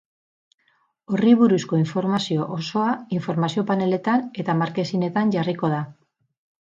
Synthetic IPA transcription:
o̞riβ̞uɾusko̞iɱfo̞ɾmasio̞ʔoso̞aiɱfo̞ɾmasio̞pane̞le̞t̪ane̞t̪amaɾke̞sine̞t̪anʝariko̞ð̞a

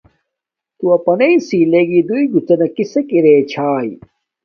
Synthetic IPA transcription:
t̪uɐpɐnɐisiːleɡid̪uiɡut͡sɐnɐkisekiɾeːt͡ɕʰaːji

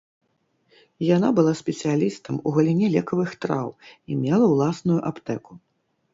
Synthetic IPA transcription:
jan̪abɨlˠasʲpʲɛt̪sʲɨjalʲist̪ɐmuɣɐlʲinʲɛlʲɛkɐvɨxt̪ɾawimʲɛlˠɐwlˠasnujuʔapt̪ɛku

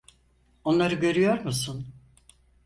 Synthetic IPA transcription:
o̞nlˠaɾɯɟø̞ɾyjo̞ɾmusun

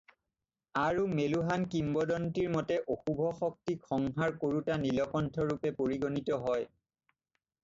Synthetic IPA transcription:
aɹumeluɦankimbɔdɔntiɹmɔtɛʔoxubʱɔxɔk̚tikʰɔŋɦaɹkoɹutanilɔkɔntʰɔɹupɛpoɹiɡonitɔɦɔj

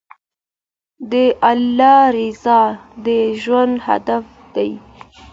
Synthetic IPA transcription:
d̪əʔalːɑɾɪzɑd̪əʒwand̪ha̰d̪af | d̪̥aj

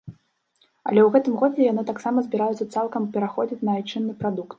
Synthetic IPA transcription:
ɐ̰lʲɛwɣɛt̪ɨmɣɔd͡zʲɛjanɨt̪aksamɐzʲbʲiɾajut̪sɐt̪salˠkɐmpʲɛɾaxɔd͡zʲit͡sʲnɐajt͡ʂɨnːɨpɾad̪ukt̪̚

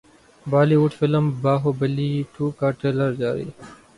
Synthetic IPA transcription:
baːliuʈfɪləmbaːɦobɐliːʈʰuːkaːʈeːləɾd͡ʒaːɾḭː

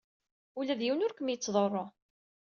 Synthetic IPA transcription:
ulæðjiwnʊɾkəmjət͡sːðˤorˤːo

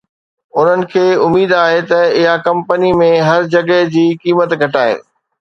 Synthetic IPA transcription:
ʊn̤ənɪ̆kʰeːʊmiːd̪aːɦet̪ɐɪɦakɐ̃mpənimẽɦɐɾd͡ʑɐɡəɦd͡ʑiːkiːmət̪ɡʱɐʈaːḛː

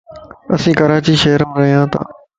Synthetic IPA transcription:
əsĩːkəɾaːt͡ɕiːʃeːəɾəm̃ːɾəɦijãːt̪a̰ː

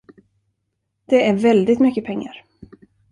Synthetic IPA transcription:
d̪̥ɛæɾvɛld̪ɪt̪mʏkːəpʰɛŋːa̰ɾ

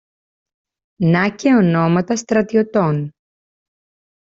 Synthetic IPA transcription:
nɐceono̞mɐt̪ɐst̪ɾɐt̪io̞t̪on

